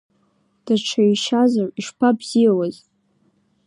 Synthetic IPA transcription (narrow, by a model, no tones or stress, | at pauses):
d̥aʈ͡ʂʰaiʃazariʂpʰabz̥ijawaz